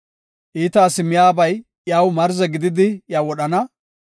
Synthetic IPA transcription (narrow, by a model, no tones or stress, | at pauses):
ʔiːt̪aːsɪmɪjaːbɐj | jaːwmɐɾzɛɡɪd̪ɪd̪ɪjaːwɔɗɐnɐ